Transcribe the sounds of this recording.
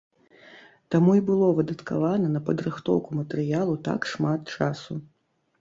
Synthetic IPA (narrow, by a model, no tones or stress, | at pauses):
t̪amuibɨlˠɔvɨd̪ɐt̪ka̰vanɐnɐpɐd̪ɾɨxt̪ɔ̰wkumɐt̪ɛɾɨjalˠut̪a̰kʂmat̪t͡ʂasu